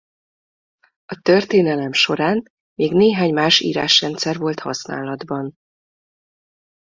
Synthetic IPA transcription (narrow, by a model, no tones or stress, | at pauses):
ɒt̪ørt̪eːnɛlɛmʃo̞ɾaːn | meːɡneːɦaːɲmaːʃḭːɾa̰ːʃrɛnt̪sɛrvo̞lt̪hɒ̰sna̰ːlɒd̪bɒn